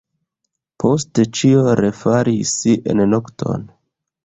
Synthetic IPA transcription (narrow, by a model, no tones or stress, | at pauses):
pʰo̞stet͡ʃioɾefaɾisiʔḛnnoktʰo̞̰n